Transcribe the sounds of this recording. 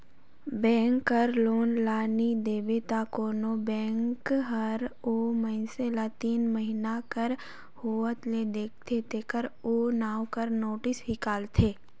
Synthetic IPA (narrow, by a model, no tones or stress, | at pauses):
bɛ̃ːŋkːɐɾloːnlaːnid̪eːbet̪akoːnobɛ̃ːŋkɦəɾoməɪnselat̪iːnməɦinakəɾ | hoːət̪led̪eːk̚ʰt̪ʰet̪ekəɾoːnaːwkəɾnoːʈɪsɦikaːlt̪ʰeː